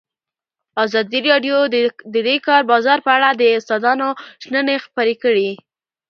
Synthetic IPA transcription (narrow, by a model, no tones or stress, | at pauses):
azɑd̪iɾɑɖjod̪əd̪ekɑɾbɑzɑɾpəaɽad̪əʊst̪ɑd̪ɑnoʒnənexpəɾekəɽi